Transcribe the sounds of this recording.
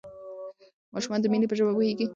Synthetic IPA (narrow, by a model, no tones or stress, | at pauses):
mɑʃumɑnd̪əminipəʒəbapoheɡi